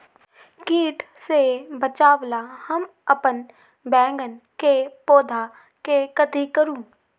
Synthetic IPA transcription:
kiːʈʰsebət͡ʃaːʋlahəm | əpən | bɛ̃ːŋɡənkepoːd̪ʱa | kekət̪ikəɾũː

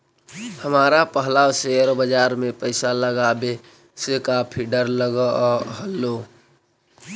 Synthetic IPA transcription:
həmaːɾapəɦlaʃejəɾbəd͡ʒaːɾmẽpəɪsaləɡaːbe | sekapʰiɖəɾləɡəɦəlːo

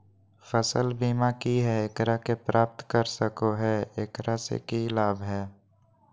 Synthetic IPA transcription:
fəsə̰lbiːmakiɦɛekɾakepɾaːp̚t̪kəɾsəkoɦɛeːkɾasḛkilaːbʱɦɛː

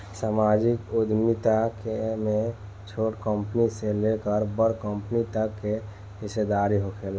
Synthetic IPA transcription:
samad͡ʒɪkʊd̪ʱmit̪akemẽ | t͡ʃʰoʈkəmpniselekəɾbəɾkəmpnit̪əkːe | ɦɪsed̪aɾiɦokʰeːl

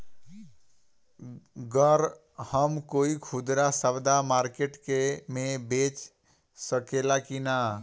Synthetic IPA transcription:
ɡəɾ | həmkoikʰud̪ɾasəbd̪amaɾkeʈkemebet͡ʃ | səkelakina

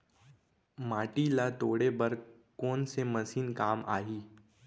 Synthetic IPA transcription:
maːʈilat̪oːɽebɐɾ | koːnsemɐsiːnkaːma̰ːɦiː

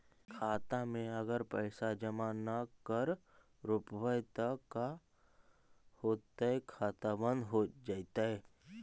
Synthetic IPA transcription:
kʰaːt̪amẽɐɡəɾpəːsad͡ʒɐmaːnakəɾ | ɾʊpəbəjt̪akːa | hoːt̪aɦɛkʰaːt̪abə̃nd̪ɦod͡ʒaːit̪aɦɛː

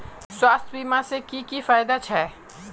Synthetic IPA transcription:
swaːst̪ʰbiːmasekikifaːjd̪at͡ʃʰɛː

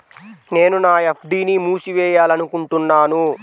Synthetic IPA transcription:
ne̞ːnunaːepʰɖiːnimuːsiʋɛːjaːlɐnukuɳʈunːaːnu

